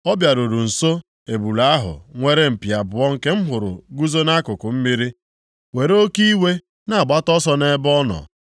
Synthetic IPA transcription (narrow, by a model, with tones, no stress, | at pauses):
ɔ˦bja˨ɾu˨ɾu˨n̩˨so˦ | e˨bu˨la˨˦a˦ɦʊ̰˨ŋʷe˦ɾe˦m̩˨pja˨bʊ˨ɔ˦ŋ̩˦ke˦m̩˦ɦʊ˨ɾʊ̰˨ɡu˦zo˦na˦kʊ˨kʊ˨m̩˦mi˦ɾi˦ | we˨ɾo˦ki˦we˦ | na˨a˨ɡ͡ba˦tɔ˦sɔ˦ne˦bɔ˦nɔ̰˨